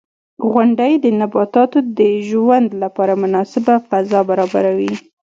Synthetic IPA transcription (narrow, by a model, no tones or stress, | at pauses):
ɣʊɳɖajd̪ənabɑt̪ɑt̪od̪əʒwand̪lapɑɾamʊnɑsɪbafazɑbaɾɑba̰ɾawi